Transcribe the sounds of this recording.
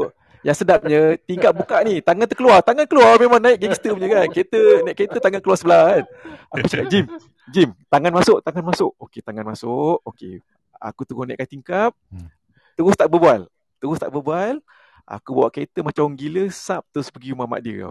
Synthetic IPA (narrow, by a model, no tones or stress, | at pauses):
jaŋsədap̚ɲət̪iŋkap̚bukaʔnit̪aŋant̪əkəluart̪aŋankəluarmemãŋnaɪʔ̚ɡɛŋst̪əmɲəkanket̪ənaɪʔkəet̪ət̪aŋankəluarsəbəlas | ʔakut͡ʃakap̚d͡ʒim | d͡ʒimt̪aŋanmasʊʔt̪aŋanmasʊʔoket̪aŋanmasʊʔokḛ | a̰kut̪əɾʊhnaɪ̰ʔkat̪iŋkap̚ | t̪əɾʊst̪aʔbəbual | t̪əɾʊst̪a̰ʔbəbual | ʔa̰kubawaʔkəet̪əmat͡ʃaŋɡiləsap̚t̪əʊspəɡiumama̰ʔdiə̰a̰